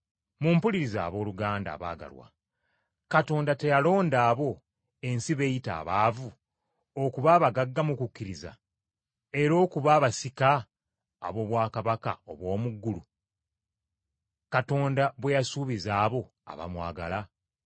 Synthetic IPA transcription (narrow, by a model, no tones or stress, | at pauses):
muːmpuliɾiza̰ːβo̞ːluɡaːnda̰ːβa̰ːɡa̰lwa̰ | kato̞ːndate̞jalo̞ːndaːβo̞ | e̞nsiβe̞jita̰ːβaːvu | okuβaːβaɡaɡːamukukʲːiɾiza̰ | e̞ɾo̞ːkuβaːβasika̰ː | βo̞βwaːkaβaka̰oβwo̞ːmuɡːulu | kato̞ːndaβwejasuːβizaːβo̞ | a̰βa̰mwa̰ːɡa̰la